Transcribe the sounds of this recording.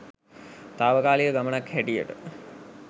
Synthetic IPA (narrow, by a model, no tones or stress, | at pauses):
t̪aːʋəkaːlijəɡamənakhæʈijə̰ʈə̰